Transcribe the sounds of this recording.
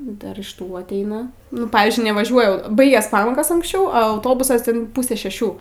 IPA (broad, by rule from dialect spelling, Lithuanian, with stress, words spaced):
ˈdɐr ɪʃ ˈtuː ɐtʲˈɛɪnɐ nʊ ˈpɑːʋʲɪzʲd͡ʒʲʊɪ nʲɛʋɐˈʒʲuɔjɛ ˈbɐɪɡʲɛs ˈpɑːmoːkoːs ɐŋksʲˈt͡ʃʲɛʊ ɐ ɐʊˈtoːbʊsɐs iːɪn ˈpuːsʲɛ ʃʲɛˈʃʲuː